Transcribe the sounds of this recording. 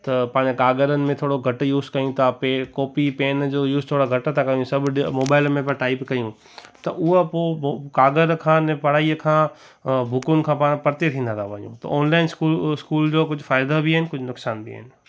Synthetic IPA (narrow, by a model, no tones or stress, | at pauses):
t̪ɐpãːɲekaːɡəɾənɪ̆mẽt̪ʰoːɽoɡʱɐʈjuːzkɐjũt̪ʰapekɔːpipeːnd͡ʑoːjuːzt̪ʰoːɽaɡʱɐʈt̪ʰakɐjũsɐbʱmoːbaːɪlmẽp̬ɐ̃ʈaːɪpkɐjũ | t̪ɐʔʊɦapoːokaːɡəɾkʰãːnẽpɐɽ̤aːiəkʰãː | bʱʊkʊnɪ̆kʰãːpaːɽ̃pɐɾt̪et̪ʰĩːnd̪ãt̪ʰaʋɐ̃ɲṵ̃t̪ɐ̰ʔɔːnlaːɪnskuskuːld͡ʑoːkʊd͡ʑʱʊfaːɪd̪abiaɪnɪ̆kʊd͡ʑʱnʊksaːnbḭɦɪnɪ̆